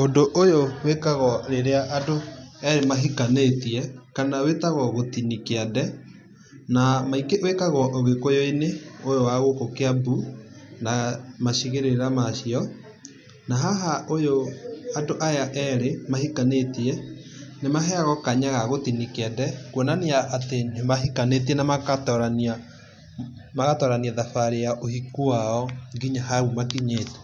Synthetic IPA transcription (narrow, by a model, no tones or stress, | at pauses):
ondoʔojowekaɣɔɾeɾeaʔadoɛɾemaɦikanetiɛkanawetaɣɔɣotinikeadɛ | namaikeʔwekaɣɔʔoɣekojoineojowaɣokokeabunamaɕiɣeɾeɾamaʃiɔ | naɦaɦaʔojoandoʔajaʔɛɾemahikanetiɛnemaɦɛaɣɔkaɲaɣaɣotinikɛndɛkwɔnaniaʔatenemaɦikanetiɛnamakatɔɾana | maɣatɔɾaniɛðafaɾejaʔohikuaɔŋɡiɲaɦaɣumakiɲeːtɛ̥